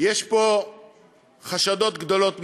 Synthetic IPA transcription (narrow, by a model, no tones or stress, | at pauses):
jeʃpo̞ | χaʃad̪o̞t̪ɡd̪o̞lo̞t̪m